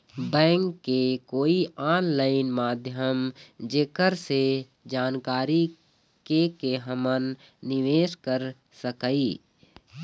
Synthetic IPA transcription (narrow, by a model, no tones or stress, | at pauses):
bɛ̃ːŋkːekoːiaːnlaːɪnmaːd̪ʱjəmd͡ʒekəɾse | d͡ʒaːnkaːɾi | kekeɦəmənː | ɪʋeːʃkəɾ | səkaiː